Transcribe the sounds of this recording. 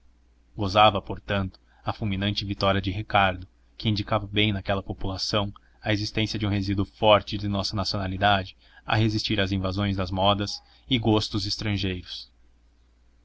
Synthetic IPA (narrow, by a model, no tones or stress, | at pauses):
ɡozavɐpoɾt̪ɐ̃nt̪ʊ̥ | ɐfulˠmĩnɐ̃nt͡ʃɪvit̪ɔɾiɐd͡ʒɪɦikaɾd̪ʊ | kɪĩnd͡ʒikavɐbẽj̃nakɛlɐpopulasɐ̃w̃ | ɐezist̪ẽsiɐd͡ʒɪũɦezid̪uʊfɔɾt͡ʃɪd̪ɪnɔsɐnasionalid̪ad͡ʒɪ | ɐ̰ɦezist͡ʃiɾɐzĩvazõj̃zd̪ɐzmɔd̪ɐs | ɪɡost̪ʊzɪst̪ɾɐ̃ʒejɾʊs